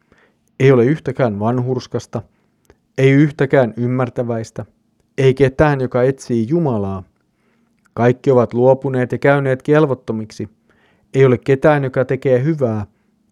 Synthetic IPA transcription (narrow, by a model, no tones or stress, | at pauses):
ejo̞leyht̪ækæːnʋɑnɦurskɑst̪ɑ | e̞jyht̪æk̟æːnymːært̪æʋæjst̪æ | e̞jket̪æːnjokɑe̞t̪siːjumɑlɑː | kɑjkːio̞ʋɑt̪luo̞pune̞ːt̪jɑkæyne̞ːt̪ke̞lʋot̪ːo̞miksi | ejo̞le̞kkːe̞t̪æːnjo̞kɑt̪e̞k̟eːɦyʋæː